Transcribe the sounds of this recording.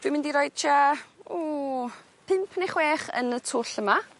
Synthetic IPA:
vimɪndiɾoːjd̥̚tʰaoː | pʰɪmpʰənɪχweːχə̰nətʰoːɬəma

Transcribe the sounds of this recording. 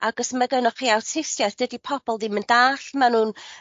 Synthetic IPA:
aɡ̥əsməɡanɔχiːawtʰɪsjaθd̥ədipʰɔb̥ɔlˠdɪməndaːɬmanuːn

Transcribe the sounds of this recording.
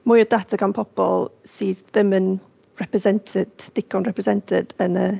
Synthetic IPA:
mʊjɔdatʰaɡanpʰɔb̥ɔ̰lˠ | siːdðɪmən | rɛprɛsɛntʰɪdd̥ɪkʰɔnɹɛpɾɛsɛntʰɪdənə

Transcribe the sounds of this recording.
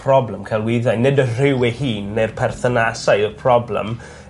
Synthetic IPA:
pʰrɔblɛmkʰalˠwɪðajnɪdər̥ɪwɛhiːnːejrpʰɛrθənasajɔrpʰrɔblɛ̰m

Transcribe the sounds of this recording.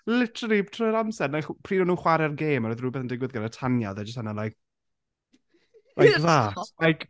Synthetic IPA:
lɪtʰrib̥tʰrɔjɾamsɛdnapʰr̥iːnɔnuːχwaɾɛrɡeːmrɔðruːbɛθəndɪɡwɪðɡaɾətʰanjaðɛd͡ʒəstanalajk̚ | lʔajkðaːtlajkʰ

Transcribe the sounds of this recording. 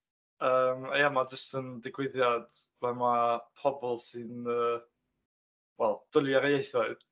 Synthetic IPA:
əːmajamad͡ʒəstʰəndɪɡwɪðjad̥vɛmapʰɔbɔlˠsɨnəː | wɛlˠd̥ʊlˠjaɾejejθɔɨd̥

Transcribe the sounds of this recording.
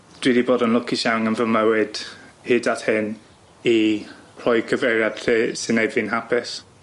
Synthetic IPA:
d̥wiːdiboːdənlˠʊkʰiʃawŋənvəməwɪd̥hɪdathɪn | ipʰlˠɔjɡʰəvɛɾjad̥tʰeːsɨnɛvɪnɦapʰɪs

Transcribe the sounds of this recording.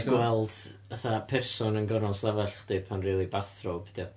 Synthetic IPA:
ɡwɛlˠd̥əθapʰɛrsɔnənɡɔnɔslˠɛvaɬχd̥ɨpʰanriːlˠibaθrobd̥ɔ

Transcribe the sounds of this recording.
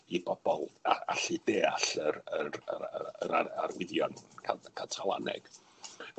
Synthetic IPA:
ibɔb̥ɔlˠaaɬideːaɬəɾəɾəəɾaarwɪðjɔnkʰakʰatʰalˠa̰nɛ̰ɡ̥

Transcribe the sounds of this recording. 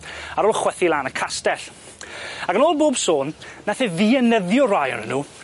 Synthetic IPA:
aɾoːlˠχwɛθilˠaːnəkʰastɛɬ | aɡənoːlˠboːbsoːnːaθɛðiənəðjɔrajə̰nə̰nːuː

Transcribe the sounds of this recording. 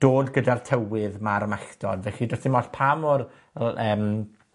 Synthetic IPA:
d̥oːdɡədartʰɛwɪðmaɾmaɬd̥ɔ̰dvɛɬidɔstɪmɔɬpʰamɔr | əːm

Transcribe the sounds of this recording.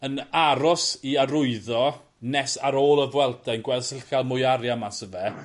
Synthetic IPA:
ənaɾɔsiaɾʊɨðɔ | nɛsaɾoːlˠəvwɛlˠdʰɛnɡwɛlsɪlˠxalˠmʊjaɾjamasəvɛ

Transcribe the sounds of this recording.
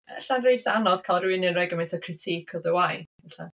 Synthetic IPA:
ə̰ɬanrejθanɔð̥kʰalˠrwɪnɨnrɛɡəmɛntʰɔkʰrɪtʰikʰɔðəwajvɛɬa̰

